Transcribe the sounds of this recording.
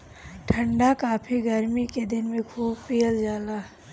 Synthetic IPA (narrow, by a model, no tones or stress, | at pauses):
ʈʰɐ̃ɳɖakaːpʰiɡɐɾmiked̪ɪnmẽkʰuːbpeːld͡ʒaːlaː